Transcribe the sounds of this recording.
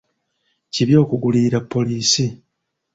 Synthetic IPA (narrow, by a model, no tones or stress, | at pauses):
ciβjo̞ːkuɡuliːɾapːo̞liːsi